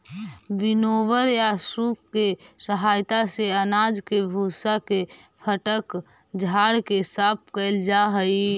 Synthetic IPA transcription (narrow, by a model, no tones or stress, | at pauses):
binobəɾjasup̚kesəɦajt̪aseənad͡ʒkebʱusakepʰəʈək | d͡ʒʱaɽkesap̚kəɪld͡ʒaɦəi